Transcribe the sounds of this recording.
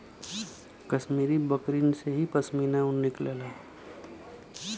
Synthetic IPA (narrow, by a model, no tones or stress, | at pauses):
kəʃmiːɾibəkɾiːnseɦipɐsmiːnaʊnːɪkleːlaː